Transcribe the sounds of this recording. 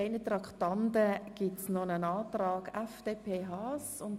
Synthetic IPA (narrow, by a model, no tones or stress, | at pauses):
eɪnət̪rɑkʰtɑndəɡ̥ɪtsnɔnənaːtrɑːɡɛfd̥eːpʰeːɦɑːsʊn